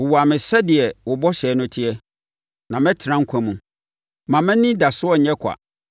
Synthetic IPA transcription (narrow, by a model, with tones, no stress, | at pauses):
wʊ˨wɔ˨a˨mɪ̃˨sɛ˦dɪ˨ɛ˨wʊ˨bɔ˦ɕɛː˨˦nʊ̃˦tʰɪ˦ɛ˦ | nã˨mɛ̃˦tʰɪ˨ɾã˦ŋ̩˦kʷʰã˨mũ˨ | mã˨mɛ̃˦nĩ˦da˨sʊ˦ɔ˦ɲ̩˨ɲɛ̃˦kʷʰa̰˨